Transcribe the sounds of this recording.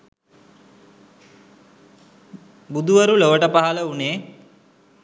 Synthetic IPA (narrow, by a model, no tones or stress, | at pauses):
bud̪ʱuʋɐɾuloʋəʈəpaɦɐləuneː